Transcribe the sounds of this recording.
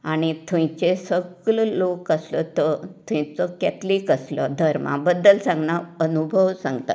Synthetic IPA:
aɽ̃it̪ʰũj̃t͡ɕesəɡləlokəslət̪ət̪ʰũjt͡səkɛt̪likəslə̰d̪ʱəɾmã̰bəd̪ːəlsãŋɡnaənubʱəʋsãŋɡt̪a̰

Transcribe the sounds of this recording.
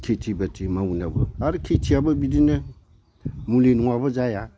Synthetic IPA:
kʰetʰibətimawunabəaɾikʰetiabəbidinə | muleniŋabəd͡ʒaja

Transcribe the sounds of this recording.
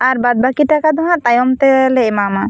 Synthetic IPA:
aɾbad̪̚bakiʈakad̪ʱɔŋat̪ajɔmt̪ɛleemama

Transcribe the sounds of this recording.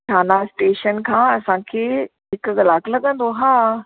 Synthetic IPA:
ʈʰaːnasʈeːʃənkʰãːɐsãːkʰeː | ɦɪkʊ̆ɣɐlaːkʰlɐɠə̃nd̪oɦaː

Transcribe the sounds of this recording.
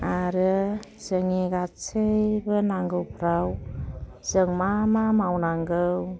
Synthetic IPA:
aɾɯzəŋiɡat͡sɯjbɯnaŋɡɯwpʰɾaw | z̥əŋmamamawnaŋɡɯw

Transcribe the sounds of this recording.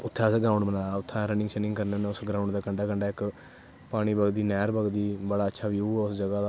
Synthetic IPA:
ʊt̪ʰːãːsɡɾãːʊɳbənaːʊt̪ʰːãːɾənɪ̃ŋsɛnɪ̃ŋɡkəɾnenːʊsɡɾãːʊɳd̪aːkəɳɖaːkəɳɖaːɪk | paːɽ̃iːbəɡd̪iːnɛːɾbəɡd̪iːbəɽaːətːʃʰaːbiːuːaːʊsd͡ʒəɡaːd̪aː

